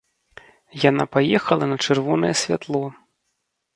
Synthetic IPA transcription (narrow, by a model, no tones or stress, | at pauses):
jan̪apajɛxɐlˠɐnɐt͡ʂɨrvɔnɐjɛsʲvʲat̪lˠɔ